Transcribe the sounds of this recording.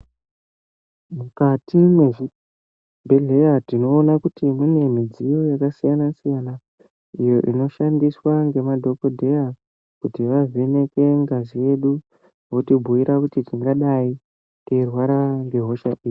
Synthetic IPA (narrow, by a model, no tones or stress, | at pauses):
mukatime | bʱeɮe̞jatino̞ːnakutimune̞mid͡zijo̞jakasijanasijana | ijo̞ʔḭno̞ʃandiswaŋɡe̞madʱo̞ko̞dʱe̞ja | kutiʋavʱene̞ke̞ŋɡazije̞ɗu | wotibʱuiɾakutitiŋɡaɗai | kerwaɾaŋɡe̞ɦo̞ʃaʔiːi